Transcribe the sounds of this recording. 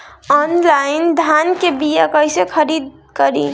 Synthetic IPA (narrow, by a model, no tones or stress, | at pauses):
ɔnlaɪnd̪ʱankebijakəjsekʰəɾid̪̚ | kəɾi